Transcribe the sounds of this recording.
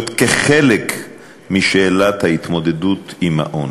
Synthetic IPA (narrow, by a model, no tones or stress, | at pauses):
t̪keχelek | miʃeːlat̪hait̪mo̞d̪ed̪ut̪imha̰ʔon